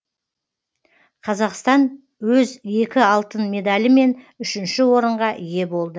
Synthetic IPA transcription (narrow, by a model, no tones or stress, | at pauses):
qʰɑzɑqst̪ɑn | wɵze̞kʲɪɑlˠt̪ənme̞d̪alʲɪme̞n | ʏʃɪnʃɪwo̞ɾəɴʁɑʔije̞bo̞lˠd̪ə